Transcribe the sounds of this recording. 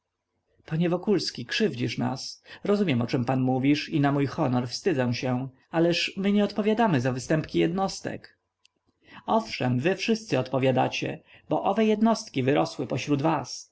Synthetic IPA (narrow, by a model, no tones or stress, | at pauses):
paɲɛvɔkulskʲikʂɘvd͡ʑiʂna̰sɾɔzumʲjɛmɔt͡ʂɛmpanmuvʲiʂinamujxɔnɔɾfst̪ɘd̪zɛw̃ɕɛ | alɛʂmɘɲɛɔt̪pɔvʲjad̪amɘzavɘst̪ɛmpkʲijɛd̪nɔst̪ɛ̰k | ɔfʂɛmvɘfʂɘst̪sɘɔt̪pɔvʲjad̪a̰t͡ɕɛ̰ | bɔʔɔvɛjɛd̪nɔst̪kʲivɘɾɔswɘpɔɕɾud̪vas